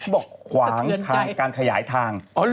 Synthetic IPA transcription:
bɔː˨˩k̚kʰwaː˩˦ŋ˧k̪ʰaː˦˧˥ŋkaː˧nkʰa˧jaː˩˦jt̪ʰaː˧ŋ˧˦

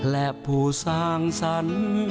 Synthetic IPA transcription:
lɛ˧˨ʔpu˨˩sa˧ŋsa˧n

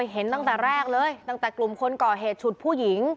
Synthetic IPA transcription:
jɦe˩˦nt̪a˥˩ŋt̪ɛː˨˩ɾɛː˥˩k̚lɤː˧jt̪a˥˩ŋt̪ɛː˨˩klu˨˩mkʰo˧nkɔː˨˩ɦeː˨˩t̪̚t͡ɕʰu˨˩t̪̚pʰuː˥˩ji˩˦ŋ

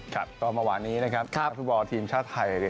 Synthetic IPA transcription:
kʰa̰˦˥˩p̚t̪ɔː˧nmaː˧waː˩˦nːiː˦˥na˦˥kʰa˦˥p̚ʰt̪fu˦˥t̪̚bɔː˧t̪ʰiː˧mt͡ɕʰaː˥˩t̪ʰːa˧ja˧i˧˩

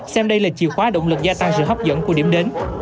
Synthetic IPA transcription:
sɛ˧mɗə˧jlaː˨˩t͡ɕḭ˨˩əwxwaː˨˦ɗo̰˧˨wŋ͡mlɨ˨˩k̚zaː˧t̪a˧ŋsɨ̰˧˨ɦə˦˥p̚zə̰˧˨nku˧˩ɗi˧˩əmɗe˨˦n

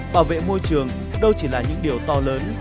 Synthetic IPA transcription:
ɓaː˧˩wvḛ˧˨mo˧jt͡ɕɨ˨˩əŋ | ɗə˧wt͡ɕi˧˩laː˨˩ɲɨ̰˧˥ŋɗi˨˩əwt̪ɔ˧ləː˨˦n

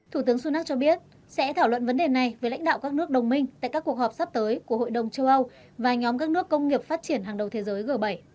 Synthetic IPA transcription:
t̪ʰu˧˩t̪ɨ˨˦əŋsu˧naː˦˥k̚t͡ɕɔ˧ɓi˦˥ət̚ | sɛ̰˧˥t̪ʰaː˧˩wə̰˧˨nvə˨˦nɗe˨˩na˨˩jveː˨˦la̰˧˥jŋ̟ɗa̰ː˧˨wkaː˦˥k̚nɨ˦˥ək̚ɗə˨˩wŋ͡mmï˧ŋ̟t̪a̰ː˧˨kaː˦˥kːu˨˩ək̚hɔː˨˩p̚sa˦˥p̚t̪əː˨˦jku˧˩əɦo̰˧˨jɗə˨˩wŋ͡mt͡ɕə˧wʔə˧w | vaː˨˩ɲɔ˨˦mkaː˦˥k̚nɨ˦˥əkːə˧wŋ͡mŋi˨˩əp̚faː˦˥t̚t͡ɕi˧˩ənɦaː˨˩ŋɗə˨˩wt̪ʰe˨˦zəː˨˦jɣəː˨˧˩ɓə˧˩j

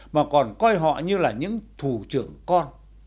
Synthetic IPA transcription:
maː˨˩kɔ˨˩nkɔ˧jɦɔ̰˧˨ɲɨ˧laː˨˩ɲɨ̰˧˥ŋt̪ʰu˧˩t͡ɕɨ˧˩əŋkɔ˧n

